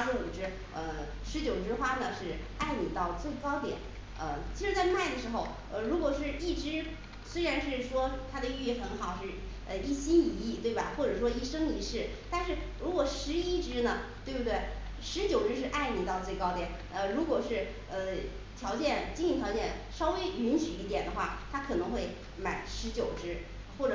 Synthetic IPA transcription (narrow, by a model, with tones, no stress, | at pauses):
ʂɻ̩˧˥u˨˩ʈ͡ʂɻ̩˥ | ə˧˩ | ʂɻ̩˧˥t͡ɕjo˨˩ʊʈ͡ʂɻ̩˥xwa˥nə˨ʂɻ̩˥˩a˥˩ɪni˨˩t̪ɑ˥˧ʊt͡swe˥˩ɪkɑ˥ʊt̪jɛ̰˨˩˦n | ə̰˧t͡ɕʰi˧˥ʂɻ̩˧˥t͡sa˥˧ɪma˥˩ɪd̪ə˩ʂɻ̩˧˥xo˧ʊ | ə˧ɻu˧˥kwɔ˨˩ʂɻ̩˥˧i˥˩ʈ͡ʂɻ̩˧˥ | swe˥ɪɻa˧˥nʂɻ̩˥˩ʂwɔ˥t̪ʰa˥d̪ə˨y˥˧i˥˩xə˧˥nxɑ˨˩ʊʂɻ̩˥˧ | ə˧i˥˩ɕi˥ni˧˥i˥˧t̪we˥˩ɪba̰˨˩xwɔ˥˩ʈ͡ʂɤ˨˩ʂwɔ˥i˥˩ʂɤ˥ŋi˧˥ʂɻ̩˥˩t̪a˥˧nʂɻ̩˥˩ | ɻu˧˥kwɔ˨˩ʂɻ̩˧˥i˥ʈ͡ʂɻ̩˥nə˨t̪we˥˧ɪbt̪we˥˩ɪ | ʂɻ̩˧˥t͡ɕjo˨˩ʊʈ͡ʂɻ̩˥ʂ̬ɻ̩˥˧ʔa˥˩ɪni˨˩t̪ɑ˥˧t͡swe˥˩ɪkɑ˥ʊjɛ˨˦n | ə˧ɻu˧˥kwɔ˨˩ʂɻ̩˥˩ | ə˧ | t̪ʰjɑ˧˥ʊt͡ɕjɛ˥˩nt͡ɕi˥ŋi˧˩t̪ʰjɑ˧˥t͡ɕjɛ˥˩nʂɑ˥ʊwe˥ɪy˧˥nɕy˨˩i˥˩t̪jɛ˨˩nd̪ə˦xwa̰˥˩t̪ʰa˥kʰɤ˨˩nɤ˧˥ŋxwe˥˩ɪ | ma˨˧˩ɪʂɻ̩˧˥t͡ɕjo˨˩ʊʈ͡ʂɻ̩˥ | xwɔ˥˩ʈ͡ʂɤ˨˩